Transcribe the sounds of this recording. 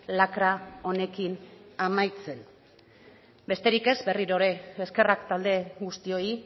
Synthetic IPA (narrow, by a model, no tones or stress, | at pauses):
lakɾao̞ne̞kinamajt͡se̞n | be̞st̪e̞ɾike̞zbe̞riɾo̞ɾe̞ːske̞rakt̪ald̪e̞ɣust̪io̞i